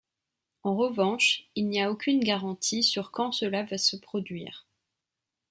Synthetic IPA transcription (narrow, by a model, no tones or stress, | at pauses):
ɑ̃ʁəvɑ̃ʃilnijaokʲynɡaʁɑ̃t̪ʰisyʁkɑ̃səlavasəpχɔd̪ɥiːʁ